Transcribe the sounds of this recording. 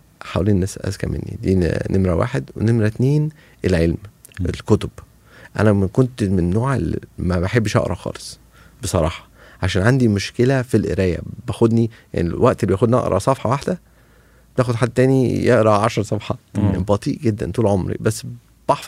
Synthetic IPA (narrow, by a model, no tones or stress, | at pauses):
ħawæliːnnesæʔæ̰skæ̰mḛnːḭd̪ḭːnʔemɾæwa̰ːħed̪wḛnemɾæt̪neːn | elʕelm | ḛlkot̪ob̥ | ʔæ̰næmækont̪menːoːʕelmæbeħebːʃʔɑ̰ʔɾˤɑ̰xɑ̰ːlesˤ | besˤɑɾˤɑ̰ːħɑ̥ | ʕaʃæːnʕand̪imoʃkelæfilʔḛɾæːjæ̰bæxod̪nija̰nḭlwæʔt̪elːibæxod̪nɑ̰ʔɾˤʔɑ̰sˤɑfħɑwaħd̪æ | bt̪æːxod̪ħad̪ːt̪æːnijeʔɾˤɑʕɑʃɑɾˤsˤɑfħɑbɑt̪ˤiːʔɡed̪ːæ̰nt̪uːlʕomɾḭbæsː | b̥ɑħf